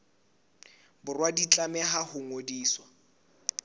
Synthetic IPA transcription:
bʊrwadit͡ɬʼamɛɦahʊŋodiːswa

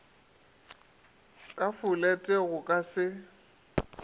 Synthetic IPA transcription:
kʼafʊlɛtʼeɣʊkʼasɪ

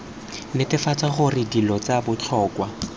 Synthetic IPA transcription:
nɪtɪfat͡saχʊrɪdilɔt͡sabʊt͡ɬʰɔːkwa

